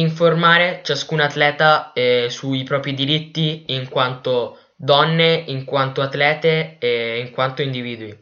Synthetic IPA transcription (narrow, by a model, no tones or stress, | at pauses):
iɱformaːɾet͡ʃaskunat̪ːlɛːt̪aɛsuipɾɔːpɾid̪iɾit̪ːiːŋkwant̪o | d̪ɔnːeiŋkwant̪oat̪ːlɛːt̪eeiŋkwant̪oind̪iviːd̪ui